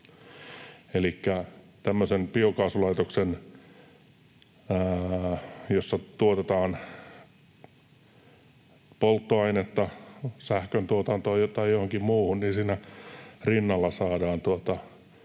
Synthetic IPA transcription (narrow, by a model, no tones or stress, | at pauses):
elikːæ | t̪æmːøsempiokɑːsulɑit̪oksen | josːɑt̪uot̪et̪ɑːn | polt̪ːoɑinet̪ːɑsæhkønt̪uot̪ɑnt̪oiot̪ɑijohoŋkimmuːhunniːnsiːnærinːɑlːɑsɑːdɑːnt̪uot̪ɑ